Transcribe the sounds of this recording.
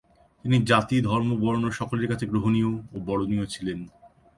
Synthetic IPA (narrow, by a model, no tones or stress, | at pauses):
t̪inid͡ʑat̪id̪ʱɔɾmobɔɾonoɾʃɔkoleɾkat͡ɕʰeɡɾoɦonioːbɔɽoniot͡ɕʰilen